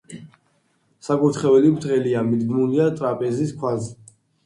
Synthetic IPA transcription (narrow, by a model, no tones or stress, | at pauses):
sakʼut̪ʰχɛvɛlipɾt̪ʰχɛliamid̪ɡmuliat̪ʼɾapʼɛziskʰwazɛ